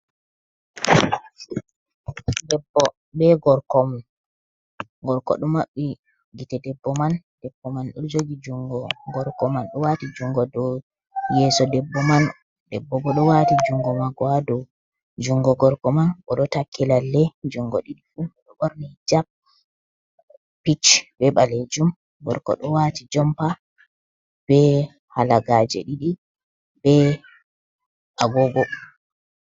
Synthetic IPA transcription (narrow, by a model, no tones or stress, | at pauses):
dɛbːɔ | bɛɡɔɾkɔman | ɡɔɾkɔ̰ɗɔmaɓːi | ɡitɛdɛbːɔman | d̥ɛbːɔmanɗɔ̰d͡ʒoɡid͡ʒuŋɡɔɡɔɾkɔmanɗɔwatid͡ʒuŋɡɔdɔ | jɛːsɔdɛbːɔman | dɛbːɔbɔɗɔwatid͡ʒuŋɡɔmaɡɔadɔ | d͡ʒuŋɡɔɡɔɾkɔmanʔɔɗɔtakʰːɛlalːɛd͡ʒuŋɡɔ̰ɗiɗiɗumɔɗɔɓɔɾnid͡ʒap̚ | pːit͡ʃbɛɓaled͡ʒum | ɡɔ̰ɾkɔ̰ɗɔwatid͡ʒɔmpa | b̥ɛ | halaɡad͡ʒɛ̰ɗiɗi | bɛ | ʔaɡɔɡɔ